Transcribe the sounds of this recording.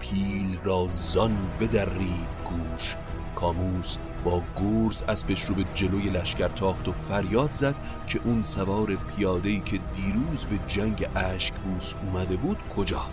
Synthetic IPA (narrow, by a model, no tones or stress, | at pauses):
pʰiːlrɒːzɒnbe̞d̪ærːiːd̪̥ɡuːʃ | kʰɒːmuːs | bɒːɡoːɾzæspe̞ʃɾobed͡ʒe̞loje̞læʃcæɾt̪ʰɒːχt̪ofæɾjɒːd̪zæd̪̥ | cʰe̞ʔunsævɒːɾe̞pʰijɒːd̪e̞iːkʰe̞d̪iːɾuːzbe̞d͡ʒæŋɟeʔæːʃcbuːsuːmæd̪e̞buːd̪̥kʰo̞d͡ʒɒːst̪